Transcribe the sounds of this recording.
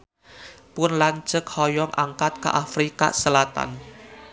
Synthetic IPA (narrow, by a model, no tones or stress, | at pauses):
pʊnlaɲt͡ʃək̚hɔjɔŋʔa̰ŋkat̪̚ka̰ʔafɾika̰səlat̪a̰n